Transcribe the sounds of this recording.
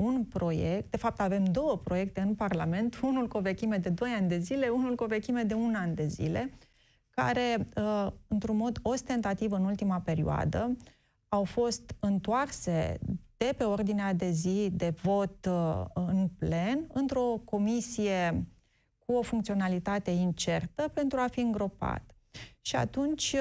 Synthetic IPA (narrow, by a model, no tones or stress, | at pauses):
unpɾo̞jek̚t̪̚d̪̥e̞fap̚t̪ave̞md̪o̞wəpɾo̞je̞k̚t̪e̞ɨnparlame̞nt̪unulkove̞kʲimed̪e̞d̪o̞janʲd̪e̞zile̞unulkove̞kʲimed̪e̞unand̪e̞zḭle̞ | ka̰ɾe̞ | ɨnt̪ɾunmo̞d̪o̞st̪e̞nt̪at̪ivɨnult̪imape̞ɾioa̰d̪ə | awfo̞st̪ɨnt̪oarse̞d̪̥e̞pe̞o̞rd̪inead̪e̞zid̪e̞vo̞t̪ɨnple̞nɨnt̪ɾo̞ko̞misije̞ | kuo̞fuŋkt̪sio̞nalit̪at̪e̞int͡ʃe̞rt̪əpe̞nt̪ɾuafiɨŋɡɾo̞pa̰t̪ | ʃia̰t̪unt͡ʃʲ